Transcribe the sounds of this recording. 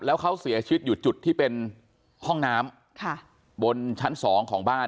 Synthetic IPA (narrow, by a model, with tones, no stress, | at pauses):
lɛː˦˥wkʰa˦˥wsi˨˩˦ɐt͡ɕʰi˧wi˦˥t̪̚ju˨˩t̪̚t͡ɕu˨˩t̪ʰːiː˥˩pe˧n | hɔ˥˩ŋnaː˦˥m | kʰa˥˩ | bo˧nt͡ɕʰa˦˥nsɔː˩˦ŋkʰɔː˩˦ŋbaː˥˩